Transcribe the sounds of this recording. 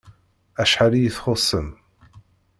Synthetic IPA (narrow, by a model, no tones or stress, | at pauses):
æʃħalijəθχosˤːəm